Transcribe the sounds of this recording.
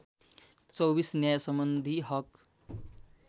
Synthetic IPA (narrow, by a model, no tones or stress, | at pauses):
t͡sɔwbisnjajɐsəmbənd̪ʱiɦʌk